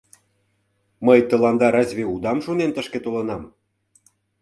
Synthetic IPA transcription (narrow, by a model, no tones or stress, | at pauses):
məjt̪ə̆lɑnd̪ɑɾɑzʲβeud̪ɑmʃunent̪ə̆ʃket̪olɤ̆nɑm